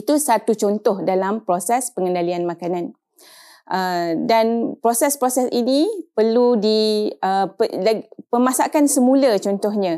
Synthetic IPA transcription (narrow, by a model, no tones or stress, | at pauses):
it̪usat̪ut͡ʃɔnt̪ɔhdalampɾosɛspəŋə̃ndalianmãkanan | ʔədanpɾosɛspɾosɛsinipəludiəpəlpəmasakansəmũlat͡ʃɔnt̪ɔhɲã